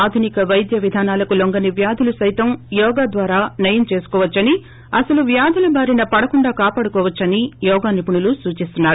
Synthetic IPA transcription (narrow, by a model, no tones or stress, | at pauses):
aːd̪ʱunikɐʋɐjd̪jɐʋid̪ʱaːnaːlɐkuloŋɡɐniʋjaːd̪ʱulusɐjt̪ɐmjɔːɡaːd̪ʋaːɾaːnɐjɐmt͡ʃe̞ːsu̥kɔːʋɐt͡ʃːɐni | ɐsɐluʋjaːd̪ʱulɐbʱaːɾinɐpɐɽɐkuɳɖaːkaːpaːɽukɔːʋɐt͡ʃːɐnijɔːɡaːnipuɳulusuːt͡ʃist̪unːaːɾu